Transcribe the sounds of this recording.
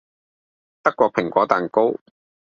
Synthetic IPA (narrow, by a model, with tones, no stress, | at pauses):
t̪ɐ˥kʷːɔː˧pʰɪ˨˩ŋkʷɔː˨˥t̪aː˨nko˥w